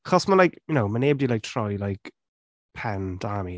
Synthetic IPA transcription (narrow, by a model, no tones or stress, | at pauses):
aχɔsmalajkjʊnowmaneːbdilajk̚tʰrɔjlajk | pʰɛndami